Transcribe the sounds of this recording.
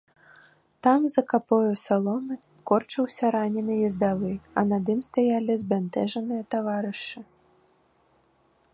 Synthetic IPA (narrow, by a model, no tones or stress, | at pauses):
t̪amzɐkapɔjusalˠɔnɨ | kɔrt͡ʂɐwsʲɐɾanʲɛnɨjizd̪avɨɐnad̪ɨmst̪ajalʲizbʲant̪ɛʐɐnɨjɐt̪avaɾɨʂɨ